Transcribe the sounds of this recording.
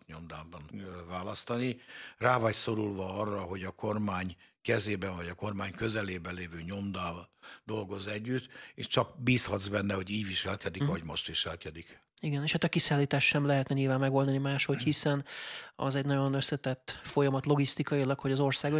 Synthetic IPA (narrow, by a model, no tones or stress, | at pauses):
ɲo̞md̪aːbɒnvaːlɒst̪ɒniraːvɒcso̞ɾulvɒɒrːɒɦo̞ɟɒkʰo̞rmaːɲkɛzeːbɛɱvɒɟɒko̞rmaːɲkø̞zɛleːbɛleːvøːɲo̞md̪aːd̪o̞lɡo̞zɛɟːyt̪ːḛːʃt͡ʃɒkbiːshɒd̪zbɛnːɛho̞ɟiːɟʋiʃɛlkɛd̪ikɦoɟmo̞ʃt̪ʋiʃɛlkɛd̪ik | iɡɛneːʃhaːt̪ɒkisaːlːiːt̪aːʃʃɛmlɛɦɛt̪nɛɲilvaːmmɛɡo̞ld̪ɒnimaːʃho̞chisɛnɒ̰zɛɟnɒɟo̞nøsɛt̪ɛt̪ːfo̞jɒmɒt̪lo̞ɡist̪ikɒjilɒkho̞ɟɒzo̞rsaːɡo